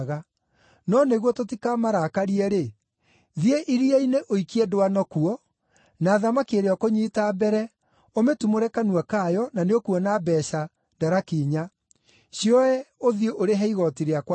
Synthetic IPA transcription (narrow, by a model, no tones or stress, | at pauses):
ɣa | nɔneɣwɔtotikamaɾakaɾiɛɾe | ðieʔiɾiɛineʔoikiɛdowanɔkuɔ | naːðamakeɾeɔkoɲiːtaːbɛɾɛ | ometumoɾɛkanuakaːjɔnaneokuɔnabɛːɕa | daɾakiːɲa | ɕiɔɛoðioʔoɾeɦɛiɣɔtiɾeakw